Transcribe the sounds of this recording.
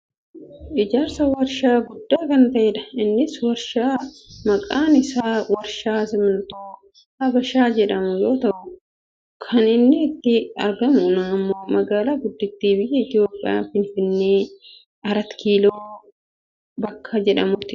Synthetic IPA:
ʔɪd͡ʒaːɾsɐwɐɾʃaːɡʊd̪ːaːkɐnt̪ɐʔɛᶑɐɪnːɪswɐɾʃaːmɐkʼaːnɪsaːwɐɾʃaːsɪmɐnt̪oː | hɐbɐʃaːd͡ʒɛᶑɐmʊjo̞ːt̪ɐʔʊ | kʰɐnɪnːɪːt̪ːɪɐ̰ɾɡɐmʊnɐːmːo̞ːmɐɡaːlaːɡʊd̪ːɪt̪ːiːbɪjːɛɪt̪ɪo̞ːpʼːɪ̰ja̰ːfɪnfɪnːeː | ɐɾɐt̪kʰiːloː | bɐkːɐd͡ʒɛᶑɐmʊt̪ːɪ

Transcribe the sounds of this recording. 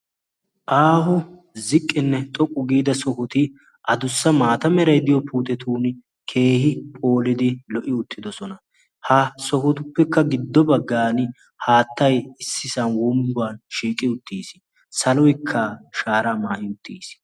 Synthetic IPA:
ʔaːhʊ | zɪkʼːɪnːɛt̪ʼɔkʼːʊɡiːd̪ɐsɔkɔt̪ɪ | ʔɐd̪ʊsːɐmaːt̪ɐmɛɾɐjd̪ɪjɔpʰuːt̪ɛt̪ʰuːn | kʰe̞ːhɪpʼo̞ːlɪd̪ɪlɔʔɪʊt̪ːɪd̪ɔsɔnɐ | hɐsɔkɔt̪ʊpːɛkːɐɡɪd̪ːɔbɐɡːaːn | haːt̪ːɐjɪsːɪsɐnwɔmbʊaːnʃiːkʼɪʊt̪ːiːs | sɐlɔjkʰːɐʃaːɾamaːʔɪʊt̪ːiːs

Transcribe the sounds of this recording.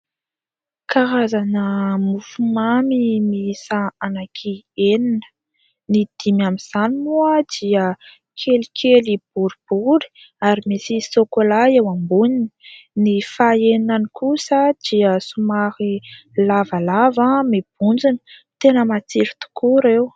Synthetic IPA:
kaɾazanəmufumamimisaanakʰieninə̥ | nid̪̥imamiz̥aninuad̪̥iə | kʰelikʲʰelib̥uɾib̥uɾi̥ | aɾimisisokolaewambunini̥nifaeninanikʰusəd̪̥iəsumaɾilavalavamib̥̚und͡zinə̥t̪enəmat͡siɾit̪u̥kuɾew

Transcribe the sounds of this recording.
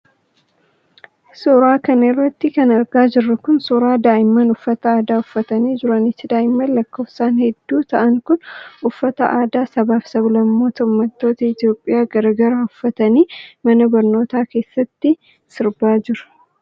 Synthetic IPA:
suːɾaːkɐnɪrːɐt̪ːɪkɐnɐɾɡaːd͡ʒɪrːɐkʊnsuːɾaːd̪aːʔɪmːɐnʊfːɐt̪ɐaːd̪aːʊfːɐt̪ɐniːd͡ʒɪɾɐnɪt̪ːɪd̪aːʔɪmːɐlɐkːo̞ːfsaːnhɛd̪ːuːt̪ɐʔɐŋkʊnʊfːɐt̪ɐʔaːd̪aːsɐbaːfsɐblɐmːo̞ːt̪ɐʊmːɐt̪ːo̞ːt̪ɐɪt̪ijo̞ːpʼːɪjaːɡɐɾɐɡɐɾaːʊfːɐt̪ɐniːmɐnɐbɐɾno̞ːt̪aːke̞ːsːɐt̪ːɪ | sɪɾbaːd͡ʒɪɾɐ̥

